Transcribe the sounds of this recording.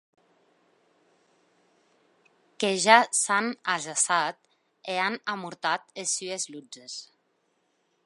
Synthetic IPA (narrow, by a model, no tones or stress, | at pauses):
keʒasanaʒasat̪ | eanamuɾt̪at̪esːyezlud͡ʒes